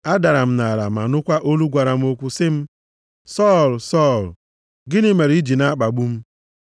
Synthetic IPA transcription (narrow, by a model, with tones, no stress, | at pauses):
a˦da˨ɾa˨m̩˦na˨ɾa̰˨ma˨nʊ˦kʷa˦ʔo˦lu˦ɡʷa˨ɾa˨m̩˦o˦kʷu˦sɪ˦m̩˦ | sɔ˦˨lsɔ˦˨l | ɡɪ˦nɪ˦me˨ɾi˦d͡ʒi˨na˦k͡pa˨ɡ͡bu˦m̩˦